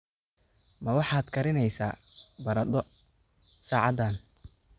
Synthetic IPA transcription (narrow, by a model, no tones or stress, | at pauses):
mɐwɑħɑːd̪kʰɐɾɪnɛjsa̰ːbɐɾɐd̪ɔ | saːʕɑd̪aːn